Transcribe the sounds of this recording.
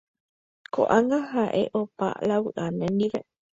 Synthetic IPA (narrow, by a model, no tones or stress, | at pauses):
ko̰ʔaŋɡaɦaʔeʔopa̰lawɨʔanẽnĩʋe